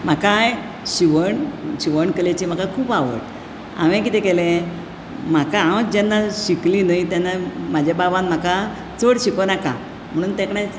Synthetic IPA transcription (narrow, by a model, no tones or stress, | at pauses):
m̤akaj | ɕiʋəɳɕiʋəɳkəlet͡ɕiːm̤akakʰuːpaʋə̰ʈ | a̰ʋẽk̬it̪ẽkɛlẽ | m̤akaãwt͡sd͡ʑɛnːaɕiklinajt̪janːamad͡ʑʱjababãnm̤aka | t͡soɽɕikonakã̰ | m̤əɽ̃uːnt̪ekɳãt͡s